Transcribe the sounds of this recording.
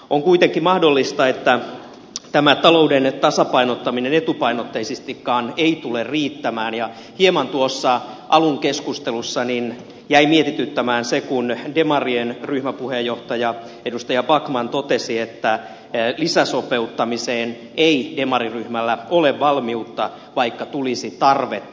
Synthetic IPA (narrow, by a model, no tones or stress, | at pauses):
oŋkuit̪eŋkːimɑhdolːist̪ɑet̪ːæ | t̪æmæt̪ɑlo̞udent̪ɑsɑpɑinot̪ːɑminenet̪upɑinot̪ːeisist̪ikːɑːneit̪ulerriːt̪ːæmæːnjɑ | hiemɑnt̪uosːɑʔɑluŋkeskust̪elusːɑnin | jæimiet̪it̪yt̪ːæmæːnsekundemɑrienryhmæpuhejːoht̪ɑjɑ | edust̪ɑjɑbɑkmɑnt̪ot̪esiet̪ːæ | lisæsope̞ut̪ːɑmiseːn | eidemɑriryhmælːæoleʋʋɑlmiut̪ːɑ | ʋɑikːɑt̪ulisit̪ɑrʋet̪ː